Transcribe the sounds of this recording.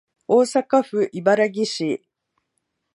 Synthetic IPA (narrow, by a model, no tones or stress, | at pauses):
o̞ːsakaɸɯ̟ʔibaɾaɡʲiɕi